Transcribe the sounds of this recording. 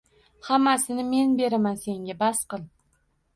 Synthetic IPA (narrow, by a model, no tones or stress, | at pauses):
hamːasɪnɪme̞nbe̞ɾɪmanse̞ŋɡʲabasqɨlˠ